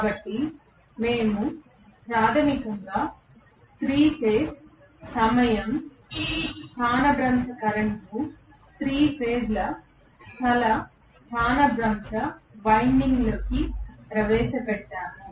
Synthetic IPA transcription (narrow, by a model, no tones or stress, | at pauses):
kaːbɐʈːi | me̞ːmu | pɾaːt̪ʰɐmikɐŋɡaː | st̪ɾiːpeːs | sɐmɐjɐm | t̪ʰaːnɐbɾɐmtɐkɐɾɐɳku | st̪ɾiːpeːdlɐ | st̪ʰɐlɐ | t̪ʰaːnɐbɾɐmʃɐʋɐjɳɖiŋɡloːkipɾɐʋɛːʃɐpɛʈːaːnu